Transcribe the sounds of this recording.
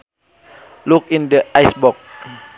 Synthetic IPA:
luk̚ĩndəʔajsbɔk̚

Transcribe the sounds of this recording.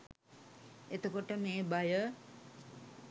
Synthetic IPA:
et̪əkoʈəmeːbajə

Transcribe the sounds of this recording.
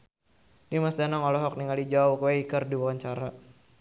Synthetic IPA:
nimasd̪anɔŋɔlɔɦɔk̚niŋalid͡ʒawkweikərdiwawaɲt͡ʃaɾa

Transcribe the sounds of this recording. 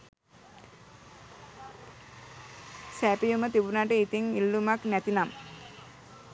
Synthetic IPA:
sæpijumət̪ibunaʈəit̪iŋilːumaknæt̪inam

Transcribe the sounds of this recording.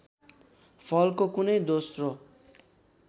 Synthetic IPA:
pʰʌlkokunʌjd̪osro

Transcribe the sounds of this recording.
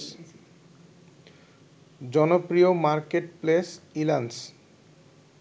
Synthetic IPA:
d͡ʑɔnopɾiomaɾkeʈplesilans

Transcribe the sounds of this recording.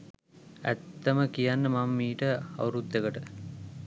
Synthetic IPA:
æ̰t̪ːɐməkijanːəmamːiːʈəɐ̰wɾud̪ːeɡəʈə

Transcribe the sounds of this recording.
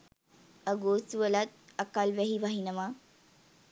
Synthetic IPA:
əɡoːsuʋəlat̪̚əkalʋæɦiʋaɦinəma

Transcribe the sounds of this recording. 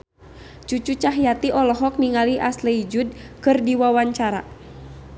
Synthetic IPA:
t͡ʃut͡ʃut͡ʃaɦjat̪iʔɔlɔɦɔk̚niŋaliʔaslɛid͡ʒud̚kɨrdiwawaɲt͡ʃaɾa̰

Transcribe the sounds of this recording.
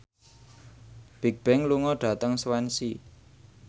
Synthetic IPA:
b̥i̤k̚b̥ɛŋluŋɔɖ̥ä̤t̪əŋswɛnsi

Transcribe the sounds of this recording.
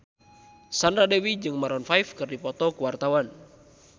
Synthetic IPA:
sandɾadɛwid͡ʒɨŋmaɾɔnfajfkɨrdipɔt̪ɔkuwart̪awan

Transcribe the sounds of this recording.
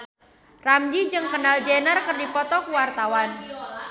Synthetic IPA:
ramd͡ʒid͡ʒɨŋkənald͡ʒɛnarkərdipɔt̪ɔkuwart̪awan

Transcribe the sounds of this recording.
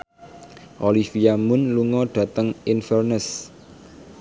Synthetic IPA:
ʔolifiamʊnluŋɔɖ̥ä̤t̪əŋɪnfərnəs

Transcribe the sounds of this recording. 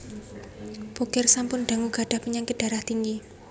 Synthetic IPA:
b̥okɪrsampʊnɖ̥a̤ŋuɡ̥a̤ɖ̥a̤hpəɲaŋkɪt̪̚d̥aɾaht̪iŋɡi

